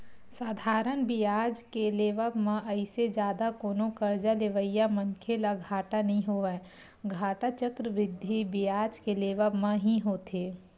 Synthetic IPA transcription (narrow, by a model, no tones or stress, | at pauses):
saːd̪ʱaːɾənbijaːd͡ʒkeleːʋəbmãʔəɪsed͡ʒjaːd̪akoːnõkəɾd͡ʒaleʋəjamənkʰelaɡʱaːʈanɐɦĩɦoʋɛ | ɡʱaːʈat͡ʃəkɾəʋɾɪd̪ʱːibijaːd͡ʒkeleːʋəbmə̃ɦĩɦoːt̪ʰeː